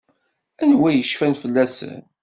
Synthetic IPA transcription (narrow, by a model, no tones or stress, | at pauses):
ænwæjəʃfænfəlːæsə̰n